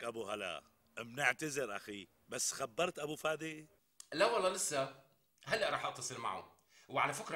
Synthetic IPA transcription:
ʔabuɦala̰ | mnɪʕt̪azɪɾʔaxi | basːxabːɑɾˤt̪ʔabufaːd̪i | lawːalːɑlɪsːa | ɦalːaʔɾˤɑːħʔɑʔt̪ːɑsˤɨlma̰ʕṵ | wʕalafɪkɾˤɑ

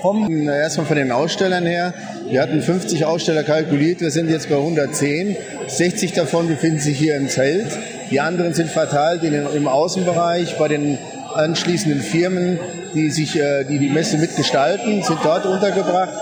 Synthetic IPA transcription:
kʰɔməeːɐstmaːlfɔndeːnʔaʊsʃtɛlɐnheːɐ | viːɐhatn̩fʏnft͡sɪçʔaʊsʃtɛlɐkalkuliːɐtv̥iːɐzɪntjɛt͡stb̥aɪhʊndɐt̚t͡seːn | z̥ɛçt͡sɪçd̥afɔnbəfɪndn̩zɪçhiːɐɪmt͡sɛlt | d̥iːʔandəʁ̞ənzɪntfɛɐtʰaɪltɪnɪmʔaʊsn̩bəʁaɪçb̥aɪɾeːn | ʔanʃliːsn̩dənfɪɐmən | d̥iːzɪçːdiːdiːmɛsəmɪtɡ̥əʃtaltn̩zɪnt̚d̥ɔɐtʔʊntɐɡəbʁaχt

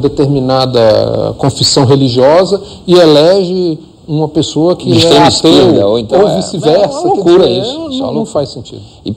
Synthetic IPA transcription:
d̪et̪eɾmĩnad̪ɐkõfisɐ̃w̃ɦeliʒiɔzɐ | ɪelɛʒɪ | ũmɐpesoɐkɪiʃt̪ẽist̪ed̪ɐoĩt̪ovisivɛɾsɐkuɾɐisʊ̥sɔ̰nɐ̃w̃fajsẽnt͡ʃḭd̪ʊ | ɪ

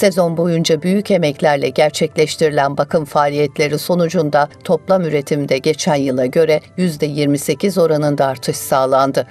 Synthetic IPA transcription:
se̞zo̞nbo̞jund͡ʒabyjyce̞mɛclʲæɾlʲɛ̰ɟæɾt͡ʃʰɛclʲɛʃt̪ʰiɾilʲænbakʰɯmfaːlʲijɛt̪ʰlʲe̞ɾiso̞nud͡ʒund̪at̪ʰo̞plˠamyɾe̞t̪ʰimid̪ɛɟe̞t͡ʃʰænjɯlˠaɟø̞ɾɛjyzd̪ɛjiɾmise̞cʰizo̞ɾanɯnd̪aːɾt̪ʰɯʃsaːlˠand̪ɯ

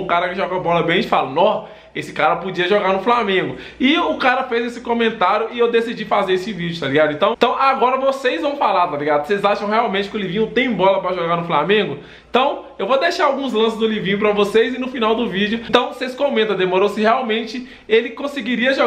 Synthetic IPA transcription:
ʊkaɾɐkɪʒɔɡɐbɔlɐbẽj̃ɐ̃t͡ʃɪfalɐnɔs | esɪ̥kaɾɐpod͡ʒiɐʒoɡaɾnʊflamẽɡʊ | ɪʊkaɾɐfejzesɪkõmẽnt̪aɾjʊɪewd̪esid͡ʒifazeɾesɪvid͡ʒʊt̪aliɡad̪ʊẽnt̪ɐ̃w̃t̪ɐ̃w̃ʔaɡɔɾɐvosejzvɐ̃w̃falaɾt̪aliɡad̪ʊsejzaʃɐ̃w̃heawmẽt͡ʃɪ̥kɪʊlivĩɲʊt̪ẽj̃bɔlɐpɾɐʒoɡaɾnʊflamẽɡʊ | ẽt̪ɐ̃w̃ | ewvod̪eʃaɾawɡũzlɐ̃sɪzd̪ʊlivĩɲʊpɾɐvosezɪnʊfinawd̪ʊvid͡ʒjʊt̪ɐ̃w̃seskõmẽnt̪ɐ̃d̪emoɾowsɪheawmẽnt͡ʃɪ | elɪkõsɪɡiɾiɐʒo

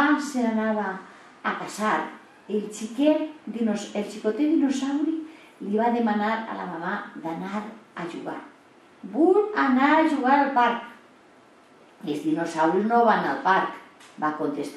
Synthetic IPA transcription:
aseɾanaβaː | kasaɾ | elt͡ʃiked̪noselt͡ʃikot̪eðinosawɾi | liβaðemanaɾa̰la̰mamaðanaɾaʒṵɣa̰ɾ | bulanaɾaʒuɣ̞aɾalpaɾk | ezðinosawɾiznoβanalpaɾk | bakont̪est̪

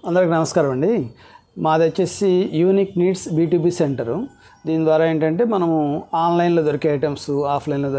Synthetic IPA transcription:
ɐnd̪ɐɾkinɐmɐskaːɾɐmɐɳɖi | maːd̪ɐt͡ʃːesijuːnikniːʈsbiːʈuːbiːseɳʈɐɾu | d̪iːnd̪ʋaːɾaːe̞ːɳʈɐɳʈe̞ːmɐnɐmuaːnlɐjnloːd̪oɾikɐjʈemsuaːpʰlɐjnloːd̪

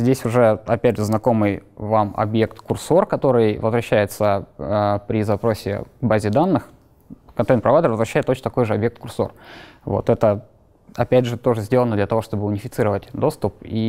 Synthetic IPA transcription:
zʲdʲesʲʊʐɛɐpʲædʲʐɨznɐko̞mɨjvamɐ̰bje̞kt̪kʊrso̞rkɐt̪o̞ɾɨjvəzvɾɐɕːæjɪt̪səəpɾʲɪzɐpɾo̞sʲɪ̰vbazʲɪd̪anːɨx | kɐnt̪ejnpɾɐvajd̪əɾvəzvɾɐɕːæjɪt̪ot͡ɕnt̪ɐko̞jʐɨɐbjek̪̚kʊrso̞̰rvo̞̰t̪ɛt̪ə | ɐpʲædʲʐɨt̪o̞ʐɨzʲdʲelˠənəd̪lʲət̪ɐvo̞ʂt̪o̞bɨʊnʲɪfʲɪt̪sɨɾəvətʲd̪o̞st̪ʊp̚i

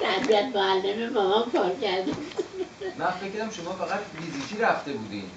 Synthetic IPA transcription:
t̪ʰæbiæt̪moælːememɒmɒmkʰɒːɾcæɾd̪ebud̪̥mænfecʰːɾæmʃomɒːfæɣæt̪vizikʰiːɾæft̪e̞buːd̪ḭn

